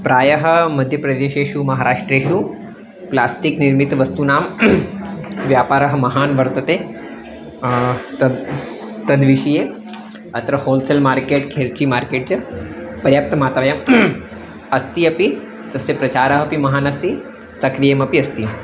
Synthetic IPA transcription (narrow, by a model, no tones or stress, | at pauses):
pɾaːjɐɦɐmɐd̪ʱjɐpɾɐd̪eːʃeːʃumɐɦaːɾaːʂʈɾeːʃuː | plaːsʈikniɾmit̪ʋɐst̪unaːm | ʋjaːpaːɾɐɦɐmɐɦaːnʋɐɾt̪ɐt̪e | t̪ɐ | t̪ɐd̪ʋiʃɐje | ɐt̪ɾɐhoːlselmaːɾkeːʈkʰeɽkiːmaːɾkeːʈ̚t͡ʃɐpɐɾjaːp̚t̪ɐmaːt̪ɾaːjɐm | ɐst̪iɐpi | t̪ɐsepɾɐt͡ʃaːɾɐɦɐpimɐɦaːnɐst̪i | sɐkɾijemɐpiɐst̪i